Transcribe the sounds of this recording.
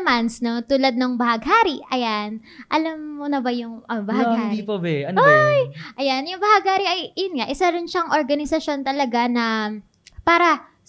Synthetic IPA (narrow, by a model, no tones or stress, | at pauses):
mansnɐŋt̪uːlɐd̪̚nɐŋbɐhɐɡɦaːɾiɐjan | ʔɐlamːonɐbɐjʊŋʔɐbɐhaɡhad̪ipɐbɛʔɐnojʔɐjanjʊŋbɐhaɡhaːɾiʔɐjʔɐjʊnŋaʔɪsaɾɪnʃɐŋʔoɾɡɐnɪsɐʃo̞nt̪ɐlɐɡanɐ | paːɾɐ